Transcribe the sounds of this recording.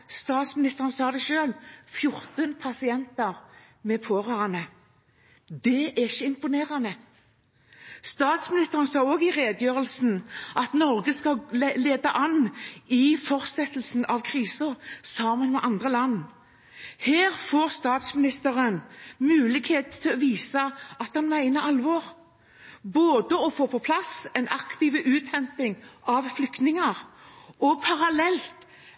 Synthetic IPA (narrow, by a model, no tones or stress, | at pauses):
st̪ɑːt̪smɪnɪst̪əʁənsɑːd̪ɛʃøːlfjʊʁt̪ənpʰɑsɪɛnt̪əʁ | mɛpʰoːʁɑːɑnə | d̪ɛʔæɪçəɪmpʊneːʁɑnə | st̪ɑːt̪smɪnɪst̪əʁənsɑːoːɡɪʁeːd̪jøːʁəlsn̩ʔɑt̪nɔʁɡəskɑleːd̪ɑʔɑnːɪfɔʁsɛt̪əlsn̩ʔɑʋkʰʁiːsəʁsɑːmənmɛʔɑnd̪ʁəlɑnː | heːʁfoːʁst̪ɑːt̪smɪnɪst̪əʁənmʉːlɪɡheːt̪t̪ʰːɪlɔʋiːsɑʔɑt̪hɑnmæɪnəʁɑlʋɔːʁ | boːd̪əɔfoːpʰɔpʰlɑsɛɪnɑkt̪ɪʋəʉːt̪hɛnt̪ɪŋʔɑʋflʏkt̪nɪŋɑʁʔɔpʰɑʁɑlɛlt̪